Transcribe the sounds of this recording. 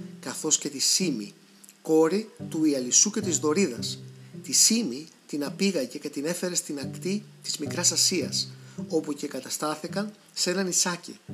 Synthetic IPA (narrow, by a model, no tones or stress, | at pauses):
kɐθo̞sce̞t̪isimḭ | ko̞ɾit̪uiɐlisuce̞t̪izðo̞ɾiðɐst̪isimi | t̪inɐpiɣɐʝe̞ce̞t̪ine̞fe̞ɾe̞st̪inɐkt̪it̪izmikɾɐsɐsiɐso̞puce̞kɐt̪ɐst̪ɐθikɐn | se̞nɐnisɐcḭ